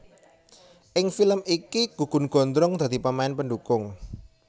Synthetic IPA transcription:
ʔɪŋfiləmikiɡ̥uɡ̥ṳnɡ̥ɔ̤nd̪ɾʊŋd̪a̤d̪̥i̤pamaɛnpəɳɖukʊŋ

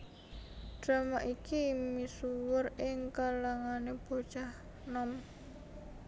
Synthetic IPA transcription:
d̥ɾamaʔikimisuwʊrɪŋkalaŋaneb̥o̤d̥ʒ̥ah | nɔm

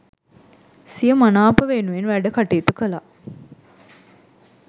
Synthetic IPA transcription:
sijəmanaːpəʋenuʋenʋæɖəkaʈeːt̪ukəla

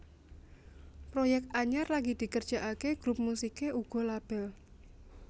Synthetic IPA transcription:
pɾojɛk̚t̪aɲarlaɡid̪̥i̤kərd̥ʒ̥a̤ʔakeɡ̥ɾup̚musikeʔuɡ̥ɔ̤lab̥ɛl

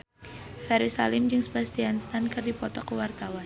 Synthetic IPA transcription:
fɛɾisa̰lɪmd͡ʒɨŋsə̥bast̪ianst̪ankɨrdipɔt̪ɔkəwart̪awan

